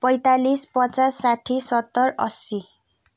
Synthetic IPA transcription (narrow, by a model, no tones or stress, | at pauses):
pʌjt̪alispʌt͡sasːaʈʰisʌt̪ːʌrʌ̰si